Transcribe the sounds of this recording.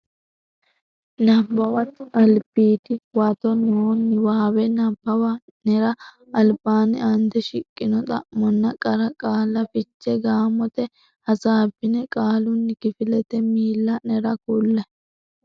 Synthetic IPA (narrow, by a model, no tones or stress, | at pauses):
nɐbːɐwɐt̪ːɪɐlbiːt̪ɪwɐt̪ɔnoːnːɪwaːwɛnɐbːɐwɐ | nɛɾɐ | ɐlbaːnɪ̰ɐnd̪ɛʃɪkʼːɪnɔt̪ʼɐ̰ʔːɔnːɐkʼɐɾɐkʼaːlːɐfɪt͡ʃːɛɡaːmɔt̪ɛ | hɐsaːbːɪnɛkʼaːlʊnːɪkɪfɪlɛt̪ɛmiːlːɐnɛɾɐkulːɐ